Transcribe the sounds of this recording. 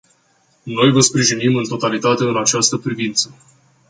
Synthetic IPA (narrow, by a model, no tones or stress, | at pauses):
no̞jvəspɾiʒinimɨnt̪o̞t̪alit̪at̪e̞ɨnat͡ʃast̪əpɾivint̪sə